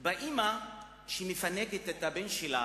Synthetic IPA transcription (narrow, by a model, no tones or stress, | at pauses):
baʔima | ʃimefaneɡetetabenʃela̰